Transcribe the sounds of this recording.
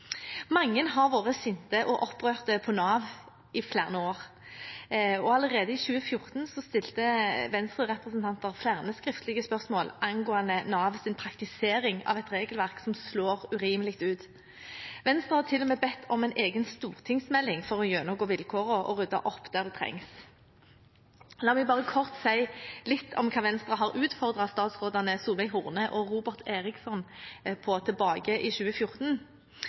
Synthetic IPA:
mɑŋːənɦɑʁʋoːʁəsɪnt̪əʔɔʔɔpːʁøːʁt̪əpʰɔnɑːʋ | ɪflæːʁnəoːʁ | ɔɑləʁeːd̪əɪɕʉːəfjʊʁt̪nsɔst̪ɪlt̪əʋɛnst̪ʁəʁɛpʁəsnt̪ʰɑnt̪əʁfjæːʁnəskʁɪft̪əlɪɡəspœʁsmoːlʔɑŋɡoːɑnənɑːʋsɪnpʰʁɑkt̪ɪseːɾɪŋɑ̰ʋɛt̪ʁeːɡəlʋæʁksɔmsloːʁʉʁiːməlɪkt̪ʉːt̪ | ʋɛnst̪ʁɑhɑːt̪ʰɪlːɔmeːbɛt̪ʰːɔmæɪnʔeːɡənst̪uːʁt̪ʰɪŋsmɛlːɪŋfɔʁɔjøːnɔɡoːʋɪlkʰoːʁɔʔɔ̰ʁʉd̪ːɑ̰ʔɔpːd̪̥æʁd̪ɛt̪ʰʁɛ̰ŋs | lɑːmɛɡbɑːʁəkʰɔʁt̪sæɪlɪt̪ʰːɔ̰mkʰɑːʋɛnst̪ʁɑɦɑʁʉːt̪fɔʁd̪ʁɑst̪ɑːt̪sʁoːd̪ɑnəsuːlɛɪɦʊʁnəʔɔʁuːbəʁt̪ʰeːʁɪksɔnpʰɔt̪ʰɛbɑːɡəʔiʃʉːəfjʊʁt̪n

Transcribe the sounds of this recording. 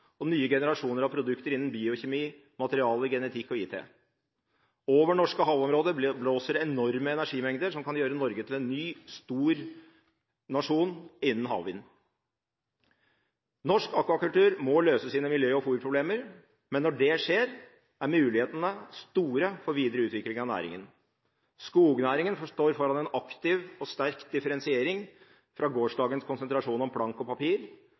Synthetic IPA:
ɔnyːəɡɛnəɾɑʂuːnəɾɑʋpʰɾʊd̪ʉkt̪əɾɪnːn̩biːʊçɛmiː | mɑt̪əɾɪɑːləɾɡɛnət̪ʰɪkːɔiːt̪ʰḛː | oːʋəɳɔʂkəɦɑːʋɔmɾoːd̪əbloːsəɾɛnɔɾməɛnæʂiːmɛŋd̪əɾʂɔmkʰɑnjøːɾənɔɾɡət̪ʰɪlɛnːyːst̪uːɾ | nɑʂuːnɪnːənɦɑ̰ːʋʋɪn | nɔʂkɑkːʋɑkʉlt̪ʉːɾmɔløːsəsiːnəmɪljøːɔfuːɾpʰɾʊbleːməɾ | mɛnːɔɖɛʂeːɾ | æɾmʉːlɪheːt̪ənəst̪uːɾəfɔɾʋiːd̪ɾəʉːt̪ʋɪklɪŋɑnæ̰ːɾɪ̰ŋə̰n | skuːɡənæːɾɪŋənfɔʂʈoːɾfɔɾɑnɛnɑkt̪ɪʋɔst̪æɾkd̪ɪfəɾɛnsɪeːɾɪŋ | fɾʔɑɡoːʂɖɑːɡənskʰʊnsənt̪ɾɑʂuːnɔmpʰlɑŋkɔpɑpiːɾ

